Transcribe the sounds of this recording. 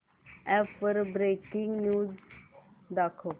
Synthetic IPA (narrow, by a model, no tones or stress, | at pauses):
ɛfəɾbɾekiŋɡnjuːd͡z | d̪akʰo